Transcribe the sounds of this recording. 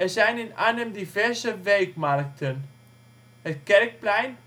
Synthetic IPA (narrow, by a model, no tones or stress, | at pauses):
ɛsaɪnɪna̰nəmdifɛɐsəvɛlkmaɾk̚tʰən | əkɛlk̚plaɪn